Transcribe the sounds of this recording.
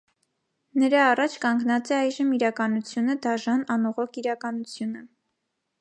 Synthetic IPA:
nəɾɑːrɑt͡ʃʰkɑŋɡnɑt͡sɛɑjʒəmiɾɑkɑnut͡sʰjunəd̪ɑʒɑnɑnɔʁɔkʰiɾɑkɑnut͡sʰjunə

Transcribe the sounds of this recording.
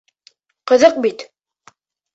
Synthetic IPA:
qɤ̆ðɤq̚bit̪

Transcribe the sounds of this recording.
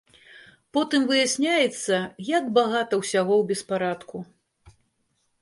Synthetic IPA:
pɔt̪ɨmvɨjasʲnʲajɛt̪sːɐjaɡbaɣat̪ɐwsʲaɣɔwbʲɛspaɾat̪ku

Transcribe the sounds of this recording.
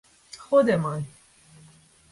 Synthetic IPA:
xod̪eman

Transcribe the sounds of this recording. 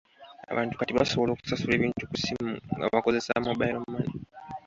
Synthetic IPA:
a̰βaːntu̥katiβa̰so̞βo̞lo̞ːku̥sasuleβiːntukusimuŋɡa̰βako̞ze̞samobaiɾomumani

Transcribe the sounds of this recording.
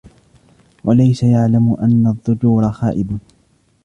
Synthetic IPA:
wʔalajsajaʕlamʊʔanːaðˤːʊd͡ʒuːɾˤɑxaːʔɪb

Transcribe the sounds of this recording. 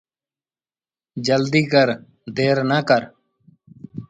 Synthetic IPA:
d͡ʒəld̪iːkəɾ | d̪eːɾnəːkəɾ

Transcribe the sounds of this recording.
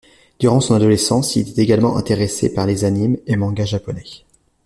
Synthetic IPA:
d̪̥yʁɑ̃sɔ̃nad̪ɔlesɑ̃sḭleɛt̪eɡalmɑ̃ʔɛ̰̃t̪eʁesḛpaʁlezanimemɑ̃ɡaʒapɔnɛ

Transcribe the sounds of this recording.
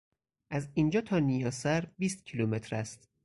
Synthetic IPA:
ʔæzind͡ʒɒːt̪ʰɒːnijɒːsæɾbiːst̪̚cʰilumet̪ʰɾæst̪

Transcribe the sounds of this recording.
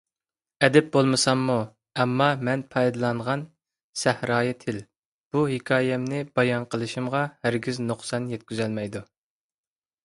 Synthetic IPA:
ɛd̪ɛp̚bolˠmɨsɑmːu | ɛmːɑmɛnpʰɑjd̪ɨlˠɑɴʁɑn | sɛhɾɑːjɛt̪ʰɪl | b̥uhɪkʰɑːjɛmnɪbɑjɑnqʰəlˠɨʃimʁɑhæɾɡʲiznoχsɑnjɛt̪̚kʲyzɛlmɛjd̪u

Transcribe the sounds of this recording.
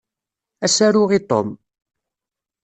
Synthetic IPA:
æsæɾʊʁit̪ˤo̰m

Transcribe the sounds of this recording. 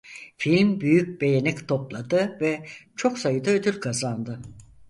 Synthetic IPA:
filʲmbyjyc̚be̞jenɛct̪ʰo̞plˠad̪ɯvɛt͡ʃʰo̞ksajɯd̪aød̪yɾʲkʰazand̪ɯ

